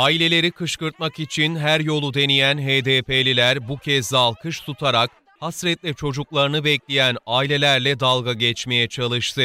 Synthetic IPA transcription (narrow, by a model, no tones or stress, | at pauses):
aːilʲe̞lʲe̞ɾikʰɯʃkɯɾt̪̚makit͡ʃʰinɦæɾjo̞lˠud̪e̞nijænɦeːd̪eːpelʲilʲæɾbucʰɛzːalˠkʰɯʃt̪ʰut̪ʰaɾak̚ | hasɾɛt̪lʲɛt͡ʃʰo̞d͡ʒuklˠaɾɯnɯbɛclʲijænaːilʲe̞lʲæɾlʲɛd̪alˠɡaɟɛt͡ʃme̞jɛt͡ʃʰalˠɯʃt̪ʰɯ